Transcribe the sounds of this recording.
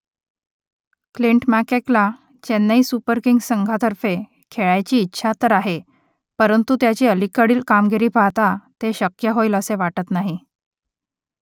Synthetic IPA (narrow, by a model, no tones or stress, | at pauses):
kliɳʈmækekla | t͡ɕenːəiːsupəɾkiŋɡsəŋɡʱat̪əɾfe | kʰeɭajt͡ɕiːtːɕʰat̪əɾaɦe | pəɾənt̪ut̪jat͡ɕiːəlikəɽiːlkamɡiɾiːpaɦt̪at̪eɕəkjəɦoiləseʋaʈət̪naɦi